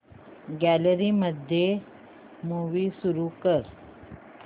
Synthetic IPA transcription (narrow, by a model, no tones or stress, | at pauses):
ɡæləɾiːməd̪ʱje | muʋiːsuɾukəɾ